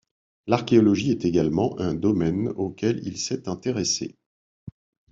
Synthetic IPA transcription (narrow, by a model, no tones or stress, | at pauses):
laʁkʲeɔlɔʒiɛt̪eɡalmɑ̃ʔɛ̃d̪ɔmɛnokʲɛlḭlsɛt̪ɛ̃t̪eʁesḛ